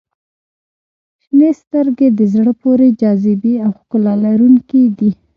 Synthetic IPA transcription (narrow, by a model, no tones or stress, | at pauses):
ʃnest̪əɾɡed̪əzɽəpoɾed͡ʒɑzɪbiawxkʊlɑlaɾuŋkid̪i